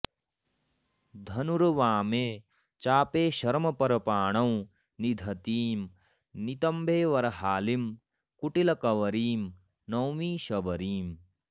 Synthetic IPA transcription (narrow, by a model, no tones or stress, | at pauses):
d̪ʱɐnuɾɐʋaːmeː | t͡ʃaːpeːʃɐɾmɐpɐɾɐpaːɳɐw̃ | nid̪ʱɐt̪iːm | nit̪ɐmbʱeːʋɐɾɐɦaːlim | kuʈilɐkɐʋɐɾiːm | nɐwmiːʃɐbɐɾiːm